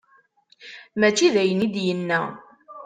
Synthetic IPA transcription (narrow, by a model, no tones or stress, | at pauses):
mæt͡ʃːiðæjənid̪jənːæ